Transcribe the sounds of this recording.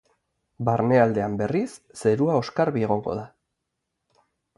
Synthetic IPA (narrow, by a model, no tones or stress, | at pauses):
baɾne̞ald̪e̞ambe̞risːe̞ɾuao̞skaɾβie̞ɣ̞o̞ŋɡo̞̰ða